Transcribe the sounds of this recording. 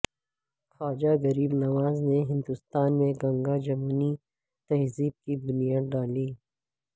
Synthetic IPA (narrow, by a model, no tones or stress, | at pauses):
xaːd͡ʒaɣɐɾiːbnɐwaːzneɦɪ̃nd̪ʊst̪aːnmẽɡɐ̃ŋɡad͡ʒɐmuːni | t̪ɐɦziːb̚kibʊnijaːd̪̚ɖaːliː